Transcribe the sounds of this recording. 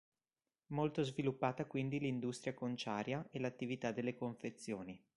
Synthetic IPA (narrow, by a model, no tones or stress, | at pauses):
molt̪ozvilupːaːt̪akwind̪ilind̪ust̪ɾjakont͡ʃaːɾjaelat̪ːivit̪ad̪ːelːekoɱfet̪sːjoːni